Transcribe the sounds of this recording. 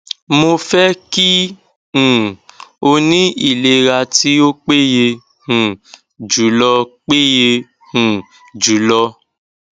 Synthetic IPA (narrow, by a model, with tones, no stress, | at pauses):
mo˧fɛ˦kĩ˦˨ | o˧nĩ˦i˦˨le˨˧ɾa˧ti˦o˦k͡pe˦je˧ | hũ˨ | d͡ʒu˨˦lɔ˧k͡pe˦je˧ | hũ˨ | d͡ʒu˨˦lɔ˧